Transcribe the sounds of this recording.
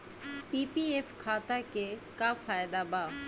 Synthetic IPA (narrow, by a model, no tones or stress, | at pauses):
pipiefkʰat̪akekafajd̪aba